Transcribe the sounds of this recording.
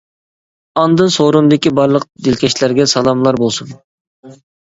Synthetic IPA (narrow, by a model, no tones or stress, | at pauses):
ɑnd̪ɨnsoɾumd̪ɪkʲibɑɾlˠəq̚d̪ɪlkʲʰɛʃlæɾɡʲɛsɑlˠɑmlˠɑɾbolˠsun